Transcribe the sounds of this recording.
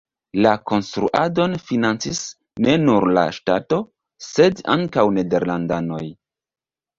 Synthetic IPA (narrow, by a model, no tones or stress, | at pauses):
lako̞nstɾṵʔado̞nfinant͡sis | ne̞nuɾla̰ʃtato̞ | se̞daŋkawne̞de̞ɾlandano̞̰j